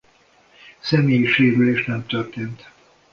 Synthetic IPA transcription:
sɛmeːjiʃeːɾyleːʃnɛmt̪ørt̪eːnt̪

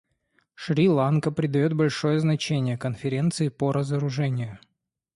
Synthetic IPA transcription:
ʂɾʲilˠankəpɾʲɪd̪ɐjo̞t̪̚bɐlʲʂo̞jəznɐt͡ɕenʲɪjəkənfʲɪɾʲe̞nt̪sɨɪpəɾʔəzəɾʊʐɛnʲɪjʊ

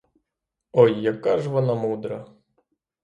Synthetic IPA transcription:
ɔjːɐkːɑʒʋɔnɑmud̪ɾɐ

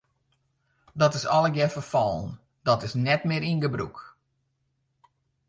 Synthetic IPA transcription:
dɔtɪsɔlˠəɡjɛfərfɔlˠn̩ | dɔtɪsnɛtmɪɾinɡəbrṵk

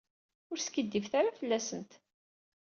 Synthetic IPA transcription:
ʊɾskəd̪ːifθaɾafəlːæsənt̪

